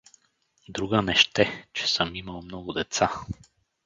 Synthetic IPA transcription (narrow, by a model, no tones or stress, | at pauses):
d̪ɾuɡənɛʃt̪ɛt͡ʃɛ̥sɤmiməlˠmnɔɡʊd̪ɛt̪sa